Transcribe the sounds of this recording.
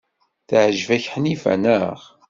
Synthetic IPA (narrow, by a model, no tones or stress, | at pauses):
θʕəʒvæçħənifæ̰nəʁ